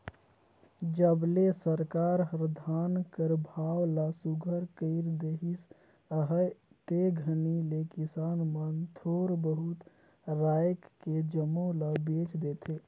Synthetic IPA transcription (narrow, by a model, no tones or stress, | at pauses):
d͡ʒəblesəɾkaɾɾəd̪ʱankəɾbʱawlasuɡʱəɾkəɪɾd̪eɦis | əɦəjt̪eɡʱənilekisanmənt̪ʰoɾbəɦut̪ | ɾajkːed͡ʒəmːolabet͡ʃd̪et̪ʰe